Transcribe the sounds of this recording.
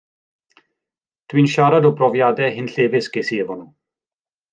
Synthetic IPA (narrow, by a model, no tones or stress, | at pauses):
t̪ʰwinʃaːɾad̪opɾɔvjaːd̪ɛɦɪnɬeːvɪsɡesievɔnu